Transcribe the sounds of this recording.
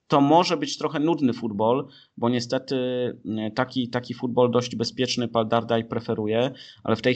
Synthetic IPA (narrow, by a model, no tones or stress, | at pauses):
t̪ɔmɔʐɛbɘt͡ɕt̪ɾɔxɛnud̪nɘfud̪bɔl | bɔɲɛst̪ɛt̪ɘt̪akʲit̪akʲifud̪̚bɔld̪ɔʑd͡ʑbɛspʲjɛt͡ʂnɘpald̪aɾd̪ajpɾɛfɛɾujɛʔa̰lɛft̪ɛj